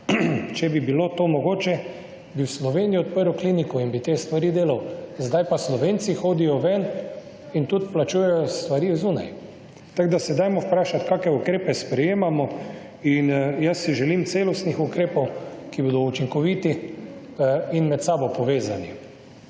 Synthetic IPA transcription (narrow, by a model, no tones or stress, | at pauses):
t͡ʃɛbibilot̪oːmɔɡoːt͡ʃɛ | biwslɔʋeːnijɔt̪̚pəɾɔklinikɔinbit̪eːst̪ʋaɾiːd̪eːlawzd̪ajpaslɔʋent̪sixoːd̪ijɔʋɛn | int̪ut̪plat͡ʃuːjɛjɔst̪ʋaɾiwzuːna̰j | t̪aɡd̪asɛd̪ajmɔwpɾaːʃat̪kaːkɛukɾeːpɛspɾɛjeːmamɔ | injasːiʒɛlimt̪seːlɔst̪nixukɾeːpɔwkibod̪ɔut͡ʃiŋkɔʋiːt̪i | inmɛt̪saːbɔpɔʋeːzani